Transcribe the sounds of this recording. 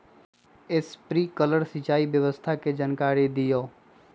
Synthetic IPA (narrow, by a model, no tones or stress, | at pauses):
ɪspɾiːkələɾsɪt͡ʃaːiʋjəʋəst̪ʰaked͡ʒaːnkaːɾed̪ɪjoː